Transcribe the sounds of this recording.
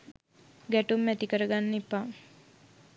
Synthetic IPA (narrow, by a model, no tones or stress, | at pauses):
ɡæʈumːæt̪ikəɾəɡanːepa